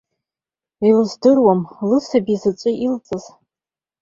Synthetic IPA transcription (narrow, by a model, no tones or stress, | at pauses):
ilzdɨrwamlɨsabizɨt͡ʃʷʼɨʔilt͡sʼɨz̥